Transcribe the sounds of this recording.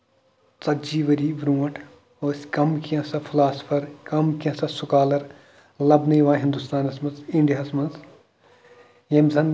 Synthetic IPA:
t͡sɐtd͡ʒiːʋɐɾiːʋɾuːɐʈʰ | oːsʲkɐmkijɐ̃sɐpʰilaːspʰɐɾkɐmkijɐ̃sɐsʊkaːlɐɾ | lɐbnɐjʋãːɦĩnd̪ust̪aːnɐsmɐnzĩɳɖijaːsmɐnz | jemzɐn

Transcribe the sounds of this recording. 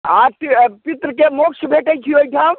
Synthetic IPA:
aːt̪ipɪt̪ɾəkemoːkʃbʱeːʈet͡ʃʰioːikʰãːm

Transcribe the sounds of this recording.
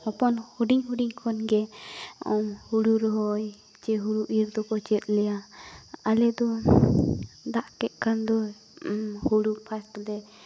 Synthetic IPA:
hɔpɔnhuɖiɲhuɖiɲkʰɔnɡɛɔmhuɽuɾɔɦɔj | t͡ʃɛɦuɽuʔiɾd̪ɔkɔt͡ʃɛt̪̚ˀlɛja | alɛd̪ɔ | d̪aʔkɛʔ̪̚kʰand̪ɔ | huɽupʰast̪lɛ

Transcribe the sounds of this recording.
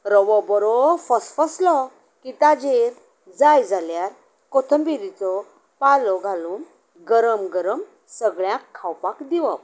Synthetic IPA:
ɾəʋɔbəɾɔfəsfəslɔ | kit̪ad͡ʑeɾ | d͡zajd͡zaljaɾ | kot̪ʰəmbiɾit͡sɔ | palɔɡʱaluːn | ɡəɾəmɡəɾəm | səɡɭjãkʰːawpakd̪iʋə

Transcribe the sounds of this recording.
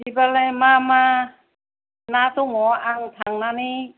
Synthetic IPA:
dibalajmama | natuŋɔaŋtʰaŋnani

